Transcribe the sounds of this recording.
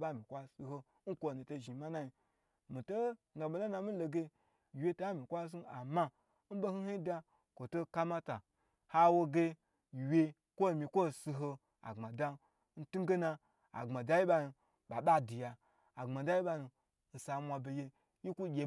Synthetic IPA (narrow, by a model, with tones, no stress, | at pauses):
ba˦˨mʲi˨kʷa˦si˧ɦo˧˦n̩˦kʷo˧˨ni˨to˧˨ʒi˨ma˦na˦ji˧ | mi˨to˦˨ | ɡa˨bo˨na˦na˧mi˦lo˧ɡe˧˨ | wje˧ta˨˦mi˨kʷa˦s̬u˦a˨ma˧˦ | m̩˦bo˦hi˦hi˦da˧ | kʷo˨to˦ka˦ma˦ta˨ | ha˧wo˧ɡe˧˨ | wʲe˧ | kʷo˦˨mʲi˧kʷo˦˨si˧ɦo˧ | a̰˨ŋ͡mma˨da˦ | n̩˦tu˦m˦ɡe˦na˧ | a̰˨ŋ͡ma˨da˨˦ji˦ɓa˧nu˧ | ɓa˨ɓa˦di˨ja˧ | a˨ŋ͡ma˨da˦ji˦ɓa˧nu˧ | n̩˨sa˧˦mʷa˧be˧je˧ | ji˦ku˦ɡʲe˨